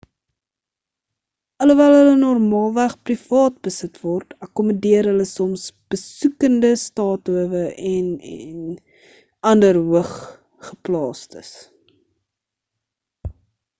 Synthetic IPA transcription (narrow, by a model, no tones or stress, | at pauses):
ələvɛlˠɦələnɔrmɑːlˠvæχprifɑːt̚bəsətvɔrtɐkɔmədiəɾɦələsɔmsb̥əsukəndəstɑːtuəvəʔɛnɛn | ɐndərɦwəχ | χəplɑːstə̰s